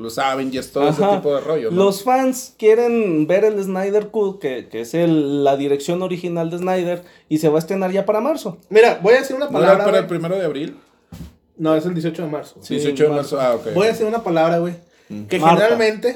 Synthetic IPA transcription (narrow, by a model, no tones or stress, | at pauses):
losaβenest̪oðaexeaipoðeroʝolo̞sfanskje̞ɾe̞nbe̞ɾe̞leznajðe̞ɾkuðkekeeselːaðiɾeksjo̞no̞ɾixinald̪eznajðeɾ | ise̞βaes̬t̪ɾe̞naɾʝapaɾamaɾso̞miɾabojaðesiɾunapalaβɾapaɾaelpɾimeɾoðeaβɾil | noes̬eld̪jesiot͡ʃoðemaɾsosiesiot͡ʃoðemaɾsoaokejbojaðesiɾunapalaβɾaɣwej | kemeneɾalmẽnt̪e